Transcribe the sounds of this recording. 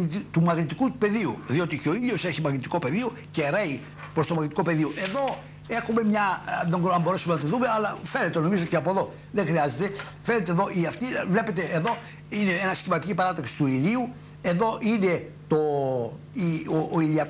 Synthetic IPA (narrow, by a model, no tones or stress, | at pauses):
it̪it̪umɐɣnit̪ikuupe̞ðiṵðio̞t̪iceo̞iʎio̞seçimɐɣnit̪i̥ko̞pe̞ðio | ceɾei | pɾost̪o̞mɐɣnit̪ikope̞ðioʔe̞ðo̞ | e̞xume̞mɲɐðeŋɐmbo̞ɾesumenɐt̪iðume̞ɐlɐfene̞t̪eno̞mizoceɐpoðo̞ | ðeŋxɾiɐze̞t̪e̞ | fe̞ne̞t̪eðo̞ʔiɐft̪ivle̞pe̞t̪e̞eðo̞ | ine̞enɐscimɐt̪icipɐɾɐt̪ɐksi̥t̪uiliu | e̞ðo̞ʔine̞ | t̪o | ioːiliɐ